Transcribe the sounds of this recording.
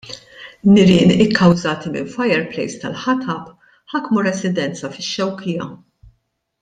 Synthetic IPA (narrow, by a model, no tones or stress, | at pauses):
nɪɾɪːnɪkːɐwzɐːt̪imɪ̰nfɐjɛɾplɛ̰jst̪ɐlħɐt̪ɐp | ħɐkːmuɾɛsɪd̪ɛnt͡sɐfɪʃːɛwkʰɪjɐ̰